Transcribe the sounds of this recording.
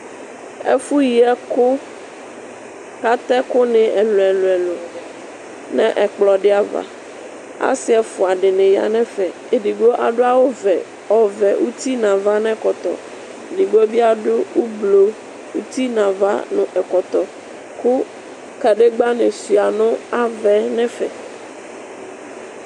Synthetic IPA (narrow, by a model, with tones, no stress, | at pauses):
ḛ˦fu˦ji˨ɛ˦kʊ˦ | ka˦t̪ɛ˦ko˦nɪ̃˨ʔɛ˨lo˨ɛ˨lo˨ɛ˨lo˨ | nɛ̃˦ʔɛ˨k͡plɔ˨ɖe˦a˨va̰˨ | a̰˦sɪ˦ɛ˨fo˨a˨ɖɪ˨nẽ˨ja̰˨nɛ̃˦fɛ˨ | e˨ɖi˨ɡ͡bo˦ʔa̰˨ɖo˦a˨wo˦vɛ˨ | ɔ˨vɛ˨ʔu˦t̪i˦nã˨va˦nɛ̃˦kɔ˨t̪ɔ̰˨ | di˨ɡ͡bo˦bi˦a˨ɖo˦wu˦blo˨ | wu˦t̪i˦nã˨va̰˦nʊ̃˨ʔɛ˨kɔ˨t̪ɔ˨ | kʊ˦ | ka˨ɖe˦ɡ͡ba˦nẽ˨si˨a˨nʊ̃˦a˨vɛ˨nɛ̃˦fɛ̰˨